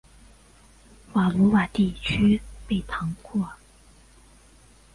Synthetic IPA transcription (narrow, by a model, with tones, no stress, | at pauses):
wa˨˩lu˧˥wa˨˩t̪i˥˨t͡ɕʰy˥pe˥˩˨t̪ʰɑ˧˥ŋkɔ˥˩